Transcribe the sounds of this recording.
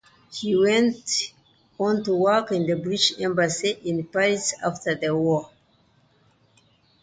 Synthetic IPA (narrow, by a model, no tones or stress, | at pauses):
hiwɛ̃nt | ɔ̃ntuwɔ˞kɪ̃nðəbɹid͡ʒɛ̃mbəsiʔɪ̃npaɹisa̰ftə˞ðəwɔ